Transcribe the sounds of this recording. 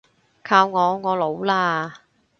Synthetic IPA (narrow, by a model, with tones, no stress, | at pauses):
kʰaː˧wŋɔː˨˧ŋɔː˨˧lo˨˧wlaː˧